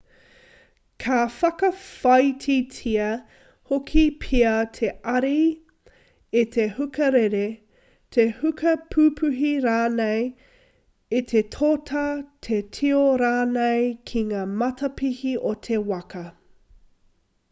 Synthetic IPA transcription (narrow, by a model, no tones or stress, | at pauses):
kʰafɐkɐfɐjtʰitʰiɐ | hokʰipʰiɐtʰeɐɾi | it̪ʰehʉkɐɾeɾe | tʰehʉkʰɐpʰʉːpʰʉɦiɾaːnej | it̪ʰetʰoːtʰɐtʰetʰioɾaːnejkʰiŋaːmɐtʰɐpihiʔot̪ʰe̞wɐkɐ